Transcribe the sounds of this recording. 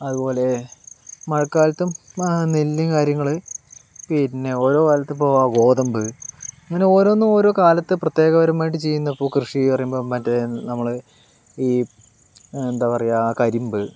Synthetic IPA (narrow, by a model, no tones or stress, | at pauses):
ɐðupo̞ːle̞ | mɐɻɐkːaːlɐt̪ːumnelːikaːɾjɐŋːɐɭɨpinːe̞o̞ːɾo̞ːkaːlɐt̪ːpːoːɐɡo̞ːd̪ɐmbɨɐŋːɐːneo̞ːɾo̞ːnːumo̞ːɾo̞ːkaːlɐt̪ːɨprɐt̪ːjeːɣɐʋɐɾɐmaːjiʈ̬ːɨt͡ɕe̞jːunːɐðɐpːoːkrɨʂipɐrɐjumbomɐtːɐenɐmːɐɭɨ | iː | end̪aːpɐrɐjːakɐɾimbɨ